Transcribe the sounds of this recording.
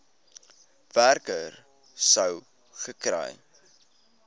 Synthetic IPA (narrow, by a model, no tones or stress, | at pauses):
værkər | səw | χəkrɛ̰j